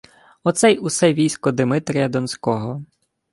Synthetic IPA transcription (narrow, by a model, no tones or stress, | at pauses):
ɔt̪sɛjʊsɛʋʲijsʲkɔd̪ɪmɪt̪ɾʲɪjɐd̪ɔnsʲkɔɦɔ